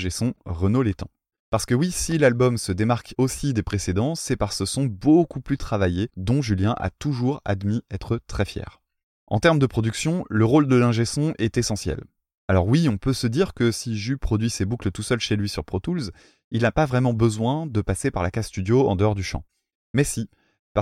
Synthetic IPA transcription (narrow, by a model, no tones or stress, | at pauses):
ʒesɔ̃ʁənolet̪ɑ̰̃ | paʁsə̥kəwisilalbɔmsəd̪emaʁkosid̪epχesed̪ɑ̃sɛpaʁsəsɔ̃bokuplyt̪χavajed̪ɔ̃ʒyljɛ̃ʔa̰t̪uʒuʁa̰d̪miɛt̪χət̪χɛfjɛ̰ːʁ | ɑ̰̃t̪ɛʁməd̪əpχɔd̪yksjɔ̃ləʁold̪əlɛ̃ʒesɔ̃ʔɛt̪esɑ̃sjɛ̰l | alɔʁwiɔ̃pøsəd̪iʁkəsiʒypχɔd̪ɥisebuklət̪usœlʃelɥisyʁpχɔt̪ulz | ilnapavʁɛmɑ̃bəzwɛ̃d̪əpasepaʁlakasst̪yd̪joɑ̰̃d̪əɔʁd̪yʃɑ̰̃ | mɛsi | pa